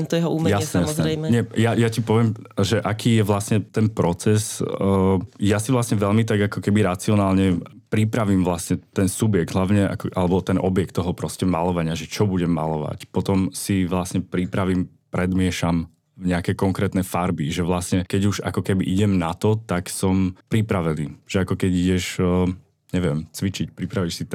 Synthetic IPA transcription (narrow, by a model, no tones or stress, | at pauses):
mt̪ɔjɛɦɔuːmjasɲɛjasɛɾɛjmɛɲɛjajacipɔʋɪɛmʒɛʔakiːjɛʋlasɲɛt̪ɛnpɾɔt͡sɛs | jasiʋlasɲɛʋɛʎmit̪aɡakɔkɛbiɾat͡siɔnaːlɲɛ | pɾipɾaʋimʋlasɲɛt̪ɛnsubjɛɡ̚d̪ɦlaʊɲɛʔa̰kɔʔalɛbɔt̪ɛnʔɔbjɛk̚t̪ːɔɦɔpɾɔscɛmalɔʋaɲɪaʒɛt͡ʃɔbuɟɛmːa̰lɔʋa̰cpɔt̪ɔmsiʋlasɲɛpɾipɾaʋim | pɾɛd̪mɪɛʃam | vɲɛakɛjkɔŋkɾɛːt̪nɛfaɾbiʒɛʋlasɲɛkɛɟuʒa̰kɔkɛbiʔiɟɛmnat̪ɔt̪aksɔmpɾipɾaʋɛniːʒ̥ɛakɔkɛɟiɟɛʃ | ɲɛʋjɛmt͡sʋit͡ʃicpɾipɾaʋiʃsit̪